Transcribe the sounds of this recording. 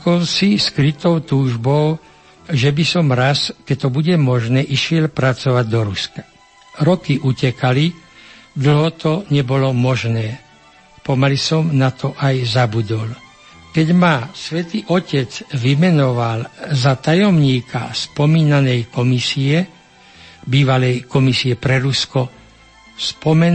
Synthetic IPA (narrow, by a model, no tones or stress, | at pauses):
kɔʊsiskɾit̪ɔʊt̪uːʒbɔʊ | ʒɛbisɔmɾaskɛct̪ɔbuɟɛmɔʒnɛːʔiʃɪɛlpɾat͡sɔʋaɟ̚d̪ɔɾuskḁ | ɾɔkiʔucɛkalid̪l̩ɦɔt̪ɔɲɛbɔlɔmɔʒnɛː | pɔmalisɔmnat̪ʰɔʔajzabud̪ɔl | kɛɟmasʋɛt̪iʔɔcɛd͡zʋimɛnɔʋalzat̪ajɔmɲiːkʰa̰spɔmiːnanɛjkɔmisiɛ | biːʋalɛjkɔmisiɛpɾɛɾuskɔ | spɔmɛn